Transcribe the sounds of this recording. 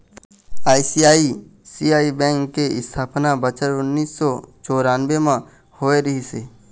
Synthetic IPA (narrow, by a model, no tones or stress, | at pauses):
aːisiaːisiːaːibɛ̃ːŋkːeɪst̪ʰaːpnabət͡ʃəɾʊnːiːsːɔt͡ʃoːɾaːnʋemã | hoːeɾəɦiseː